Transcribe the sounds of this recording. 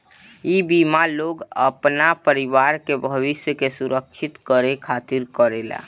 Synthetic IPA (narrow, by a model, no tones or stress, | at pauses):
ibimaloɡə̰pnapəɾiʋaɾkebʱəʋɪsjəkesuɾək̚t͡ʃʰit̪kəɾekʰat̪iɾkəɾela̰